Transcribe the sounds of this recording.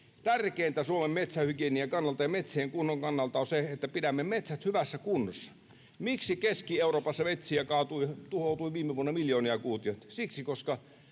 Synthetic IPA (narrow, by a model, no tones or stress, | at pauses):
t̪ærkeːnt̪æsuomemmet̪sæhykieniækɑnːɑlt̪ɑjɑmet̪sieŋkunːoŋkɑnːɑlt̪ɑonseet̪ːæpidæmːemet̪sæt̪hyʋæsːækunːosːɑ̥ | miksikeskieˑuroːpɑsːɑʋet̪ʲsiækɑːt̪uit̪uhoˑt̪uiʋiːmːˑeʋuonːɑmiljoːniɑkuːt̪iosiksikoskɑ